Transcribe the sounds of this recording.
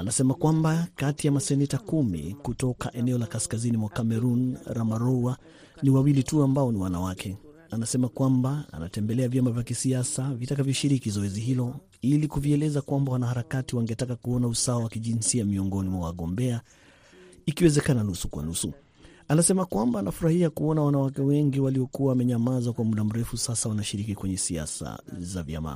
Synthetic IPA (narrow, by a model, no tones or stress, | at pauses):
anasɛmakwambakatijamasɛnɛtakumḭkutɔka̰ʔɛnɛɔlakaskazinimwakamɛɾunɾamaɾɔa | niwawilituambaɔniwanawakʰɛ | anasɛmakwambaa̰na̰tɛmbɛlɛavjamavjakisiasavitakavjɔʃiɾikizɔɛziɦilɔ | ilikuviɛlɛzakwambawanahaɾakatiwaŋɡɛtakakuɔnausawawakiʄinsiamiɔŋɡɔnimwawaɠɔmbɛa | ikiwɛzɛkananusukwa̰nusu | anasɛmakwambaːnafuɾahiakuɔnawanawakɛwɛŋɡiwaliɔkuwawamɛɲamazakwamuɗam̩ɾɛfusasawanaʃiɾikikwɛɲɛsia̰sa̰zavja̰ma̰